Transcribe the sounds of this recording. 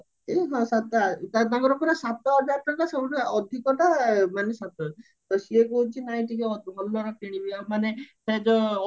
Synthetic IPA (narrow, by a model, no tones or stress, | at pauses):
eɦɔ̃sat̪at̪at̪ãŋkɔɾɔpɔɾesat̪ɔɔd͡ʒaɾʈaʈaseuʈeɔd̪ʱikɔʈamanesat̪ɔ | t̪ɔsiekuut͡ʃʰinaĩʈikeɔɦɔlːɔɾɔpiɽ̃ibiamanesɛd͡ʒɔ